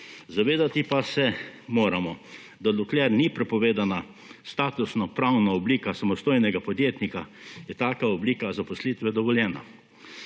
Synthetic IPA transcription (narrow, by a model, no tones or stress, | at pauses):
zaʋeːd̪at̪ipasɛmoːɾamɔ | d̪aluklɛɾnipɾɛpɔʋeːd̪ana | st̪aːt̪usnɔpɾawnaɔbliːkasamɔst̪oːjnɛɡapɔd̪jeːt̪nikajɛt̪aːkaɔbliːkazapɔslit̪ʋɛd̪ɔʋɔljɛːna̰